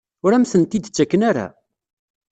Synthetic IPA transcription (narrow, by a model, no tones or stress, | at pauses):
ʊɾæmθənt̪id̪t͡sːækːənaɾa̰